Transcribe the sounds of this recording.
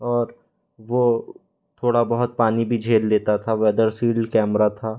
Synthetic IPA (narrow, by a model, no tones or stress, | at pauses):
ɔːɾ | ʋo | t̪ʰoːɽabɐɦʊt̪̚paːnibʱid͡ʒʱeːlleːt̪at̪ʰaʋɛːd̪əɾsiːlkɛːmɾat̪ʰaː